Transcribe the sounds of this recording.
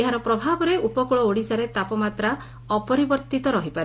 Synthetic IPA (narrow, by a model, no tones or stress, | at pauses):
eɦaɾɔpɾɔbʱabɔɾeʔupɔkuɭɔoɽisaɾet̪apɔmat̪ɾa | ɔpɔɾibɔɾt̪it̪ɔɾɔɦipaɾ